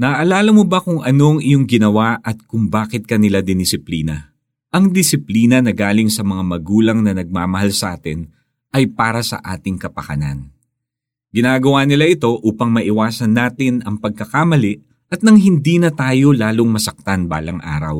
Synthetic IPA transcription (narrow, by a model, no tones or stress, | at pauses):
nɐʔɐlaːlɐmobɐkʊŋɐno̞ŋɪjoŋɡɪnɐwaʔɐt̪̚kʊŋbaːkɪt̪̚kɐnɪlad̪ɪnɪsɪpliːnɐ | ʔɐŋd̪ɪsɪpliːnɐnɐɡaːlɪŋsɐmɐŋamɐɡuːlɐŋnɐnɐɡ̚maːmɐhalsɐʔaːt̪ɪn | ʔɐjpaːɾɐsɐ̰ʔa̰ːt̪ɪŋkɐpɐkɐna̰n | ɡɪnaːɡɐwanɪlaʔɪt̪o̞ʔuːpɐŋmɐʔɪwaːsɐnːaːt̪ɪnɐŋpɐɡ̚kɐkamɐlɪʔ | ʔɐt̪̚nɐŋɦɪnd̪iːnɐt̪aːjo̞laːloŋmɐsɐk̚t̪anba̰ːlɐŋʔa̰ːɾɐ̰w